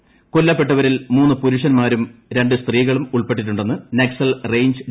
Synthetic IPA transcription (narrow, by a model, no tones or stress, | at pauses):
kolːɐpːe̞ʈːɐʋɐɾilmuːnːɨpuɾuʂɐnmaːɾumɾe̞ɳɖɨst̪riːɣɐɭumuɭpe̞ʈ̬ːiʈ̬ːuɳɖe̞nːɨneksɐlrejɲd͡ʑ